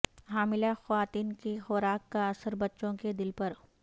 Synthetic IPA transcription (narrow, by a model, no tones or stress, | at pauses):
ɦaːmɪlaxɐʋaːt̪iːnkixɔːɾaːkːaɐsəɾbɐtːʃõked̪ɪlpɐɾ